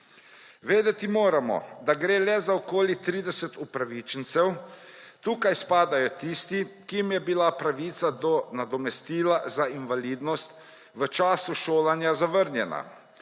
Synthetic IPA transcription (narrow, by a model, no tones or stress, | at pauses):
ʋeːd̪ɛt̪imoːɾamɔ̰d̪aɡɾeːlɛzaɔkoːlit̪ɾiːd̪ɛsət̪upɾaʋiːt͡ʃənt̪sɛwt̪uːkajspaːd̪ajɔt̪ist̪ikiimjɛbilapɾaʋiːt̪sad̪ɔnad̪ɔmɛst̪iːlazainʋaliːd̪nɔst̪ | ʋət͡ʃaːsuʃoːlanjazaʋəɾnjɛna̰